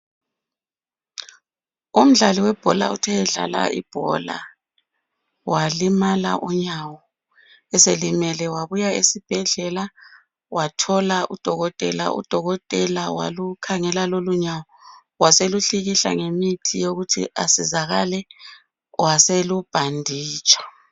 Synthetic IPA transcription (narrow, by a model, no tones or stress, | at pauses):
um̩ɮaliwɛb̥ʱɔla̰utʰɛɛɮa̰la̰ḭb̥ʱɔ̰la̰ | walimala̰ʔɔɲawɔ | ɛselimɛlɛwaβujaesib̥ʱɛɮɛla | watʰɔlaʔud̥ʱɔɣɔtʼɛ̰la̰ʔṵd̥ʱɔɣɔtʼɛlawa̰lukʰaŋɛlaloluɲawɔ | waseluɬiɣiɬa̰ŋemitʰijoɣutʰḭʔa̰sizaɣalɛ | waselub̥ʱandʱiːt͡ʃʼḁ